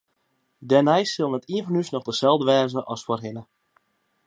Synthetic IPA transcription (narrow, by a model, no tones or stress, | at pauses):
dɛnɛjsɪlˠnətiənfɔnysnɔχdəsɛlˠvdəʋɛːzəʔɔsfwɔrɦɪnə